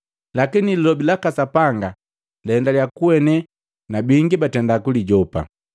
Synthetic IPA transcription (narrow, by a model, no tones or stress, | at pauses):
lakinililɔbilakasapaŋɡa | lɛndaljakuwɛnɛ | nabiŋɡibatɛndakuliɟɔpa̰